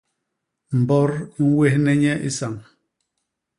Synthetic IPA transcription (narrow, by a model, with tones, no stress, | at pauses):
m̩˨bɔ˦ɾŋ̩˦we˦hnɛ˦ɲɛ˦ʔi˦sa˨ŋ